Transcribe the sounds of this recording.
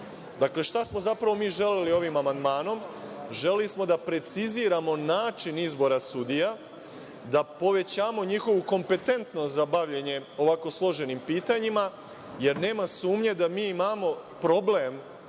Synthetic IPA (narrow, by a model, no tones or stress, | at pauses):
d̪akle̞ʃt̪asmo̞zapɾaʋo̞miːʒe̞lelio̞ʋimamand̪maːno̞mʒe̞lelismo̞d̪apɾe̞t̪siziːɾamo̞naːt͡ʃinizbo̞ɾasud̪ija | d̪apo̞ʋe̞t͡ɕaːmo̞ɲixo̞ʋuko̞mpe̞t̪e̞nt̪nost̪zabaʋʎe̞ɲe̞o̞ʋako̞slˠo̞ʒe̞nimpiːt̪aɲima | je̞ɾne̞ːmasuːmɲe̞d̪amiːimamo̞ | pɾo̞ble̞m